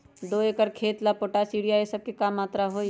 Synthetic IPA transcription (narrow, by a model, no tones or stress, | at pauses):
d̪oeːkəɾkʰeːt̪lapoːʈasiːɽijaesɐb̚kekamːaːt̪ɾaɦoː